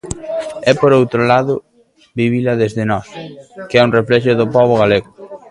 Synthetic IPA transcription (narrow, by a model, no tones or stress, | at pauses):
ɛpoɾowt̪ɾolaðʊ | biβilɐðezðɪnɔskeɛuŋreflɛʃ̬ʊðʊpɔβ̞ʊɣaleɣʊ